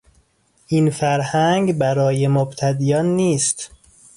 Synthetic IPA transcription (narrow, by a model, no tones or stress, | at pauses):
ʔinfæɾhæŋɡbæɾɒːjemobt̪ʰæd̪ijɒːnːiːst̪